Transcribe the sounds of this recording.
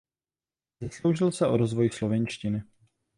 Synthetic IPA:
zaslowʒɪlsɛʔoɾozvojslovɛnʃcɪnɪ

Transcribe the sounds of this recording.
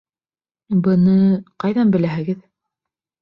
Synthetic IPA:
bɤ̆nɤqɑjðɑnbɘ̆læɦɘ̆ɡɘð

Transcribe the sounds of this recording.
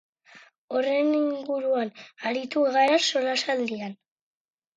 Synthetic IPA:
o̞re̞niŋɡuɾuanaɾit̪uɣaɾaso̞lasald̪ian

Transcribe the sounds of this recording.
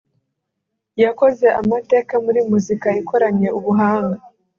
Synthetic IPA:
jako̞ze̞ʔamate̞ːkamuɾimuzikaikʰo̞ɾaɲe̞uβuɦaːŋɡa

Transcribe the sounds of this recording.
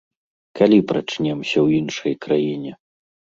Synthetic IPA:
kalʲipɾat͡ʂnʲɛmsʲɐwjinʂɐjkɾajinʲɛ

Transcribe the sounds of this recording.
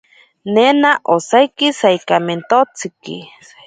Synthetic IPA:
nenaʔosajkisaikament̪ot͡sikḭ

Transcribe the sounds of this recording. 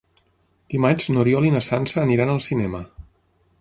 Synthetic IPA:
d̪̥imad͡ʒnoɾjɔlinəsansəːniɾanəlˠsinɛmə

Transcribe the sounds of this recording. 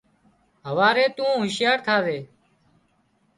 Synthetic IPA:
ɦəʋaːɾeːt̪ũːɦʊʃjaːɾt̪ʰaːzeː

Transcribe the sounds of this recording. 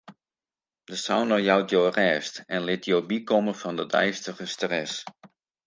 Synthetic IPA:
dəsa̰wnəjɔwtjowrɛːstɛnlɪtjowbikɔməfɑndədɛ̰jstəɣəstrɛs

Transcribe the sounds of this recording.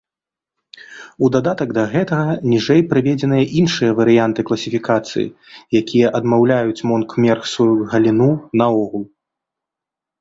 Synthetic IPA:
ud̪ad̪at̪ɐɡd̪ɐɣɛt̪ɐɣɐnʲiʐɛjpɾɨvʲɛd͡zʲɛnɨjɐʔinʂɨjɐvɐɾɨjant̪ɨklˠɐsʲifʲikat̪sɨ̰jḭjakʲijɐʔɐd̪mawlʲajut͡sʲmɔnkmʲɛrxsvɔjuɣɐlʲinunɐɔɣulˠ

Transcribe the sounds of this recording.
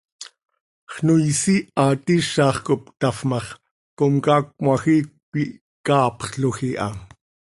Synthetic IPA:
χnujsiɑt̪iʃɑːχkop̚t̪ɑfmɑχ | komkɑːk̚mɑxit̪̚pi | kɑːpχɬoxiʔɑ̰

